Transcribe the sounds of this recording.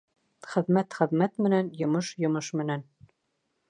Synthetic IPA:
χɘ̆ðmæt̪χɘ̆ðmæt̪mɘ̆nænjŏmɤʃjŏmɤʃmɘ̆næn

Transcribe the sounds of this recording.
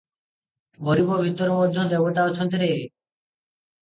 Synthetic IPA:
boɾibobʱit̪ːɔɾmɔd̪ʱːod̪eboʈaɔt͡ʃʰɔnt̪iɾe

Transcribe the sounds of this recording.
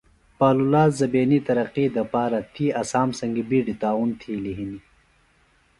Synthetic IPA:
paːlulaːzzɐbeːnit̪ɐɾɐqiːd̪ɐpaːɾɐt̪ʰiɐsaːmsɐŋɡibiːɖit̪aːunt̪ʰiːliɦini

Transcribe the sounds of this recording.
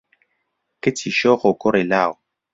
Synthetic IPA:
ketʰiʃɔxokoɾelao

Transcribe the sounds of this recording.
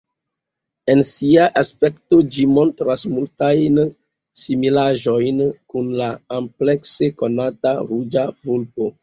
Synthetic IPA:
e̞nsiaʔaspe̞kto̞d͡ʒimo̞ntɾasmultajn | similaʒo̞jnkunlaample̞kse̞ko̞nataɾud͡ʒavulpo

